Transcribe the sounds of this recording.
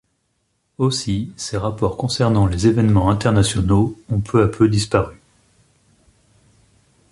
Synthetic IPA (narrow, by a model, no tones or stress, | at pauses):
osiseʁapɔʁkɔ̃sɛʁnɑ̃lezevɛnmɑ̃ɛ̃t̪ɛʁnasjɔnoɔ̃pʰøapʰød̪ispaʁy